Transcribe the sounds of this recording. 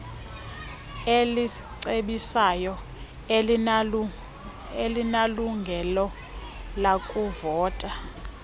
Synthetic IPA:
eli | ǀeɓisajɔ | elinaluŋɡʱɛlɔ | lakʼuvɔːtʼa

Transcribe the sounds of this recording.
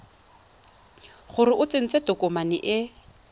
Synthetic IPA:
χʊɾɪʔʊt͡sɪn̩t͡setɔkʼʊmanɪ̰ʔɪ

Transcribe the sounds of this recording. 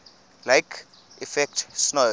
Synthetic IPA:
laɪk | ifɛk̚tsno

